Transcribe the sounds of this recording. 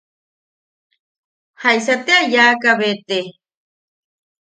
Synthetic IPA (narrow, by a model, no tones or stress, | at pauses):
hajsat̪eajaːkaβet̪e